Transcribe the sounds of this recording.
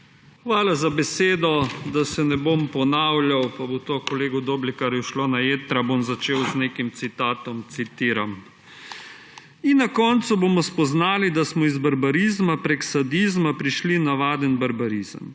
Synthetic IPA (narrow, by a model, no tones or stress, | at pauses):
xʋaːlazabɛseːd̪ɔd̪asɛnɛbompɔnawljawpabot̪okɔleːɡud̪oːblikaɾjɛʃloːnajeːt̪ɾabomzat͡ʃeːwznekimt̪sit̪aːt̪ɔmt̪sit̪iːɾam | inːakɔnt̪suboːmɔspɔznaːlid̪asmɔizbaɾbaɾiːzmapɾeksad̪iːzmapɾiʃlinaʋaːd̪ənbaɾbaɾiːzə̰m